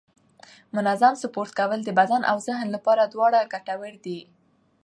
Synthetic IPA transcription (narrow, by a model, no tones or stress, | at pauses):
mʊnazamsʊpoɾt̪̚kawəld̪əbad̪anʔa̰wzɪɦnlapɑɾad̪wɑɽaɡaʈawəɾd̪i